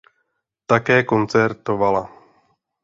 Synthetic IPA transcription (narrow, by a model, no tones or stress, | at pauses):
t̪akɛːko̞nt͡sɛɾt̪o̞vala